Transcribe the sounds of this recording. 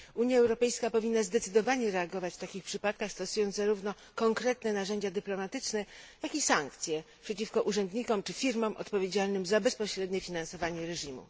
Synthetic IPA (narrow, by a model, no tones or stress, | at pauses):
uɲjaɛwɾɔpɛjskapɔvʲinːazd̪ɛt̪sɘd̪ɔvaɲɛɾɛaɡɔvat͡ɕft̪akʲixpʂɘpat̪̚kaxst̪ɔsujɔnzaɾuvnɔ | kɔŋkɾɛt̪nɛnaʐɛɲd͡ʑad̪ɘplɔmat̪ɘt͡ʂnɛjakisaŋkt̪sʲjɛpʂɛt͡ɕifkɔʔuʐɛnd̪ɲikɔmt͡ʂɘfʲiɾmɔmʔɔ̰t̪pɔvʲjed͡ʑalnɘmzabɛspɔɕɾɛd̪ɲɛfʲinãnsɔvaɲɛɾɛʐimṵ